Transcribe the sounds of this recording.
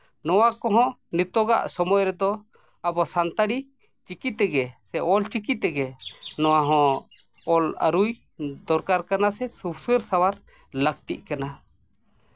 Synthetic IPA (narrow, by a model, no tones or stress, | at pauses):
nɔwakɔɦɔ̃nit̪ɔɡa̰ʔsɔmɔjɾɛd̪ɔ | abɔsant̪aɽi | t͡ʃikit̪ɛɡɛsɛʔɔlt͡ʃikit̪ɛɡɛnɔwaɦɔ̃ | ɔla̰ɾuj | d̪ɔɾkaɾkanasɛsubsəɾsawaɾ | lək̚t̪ḭʔkana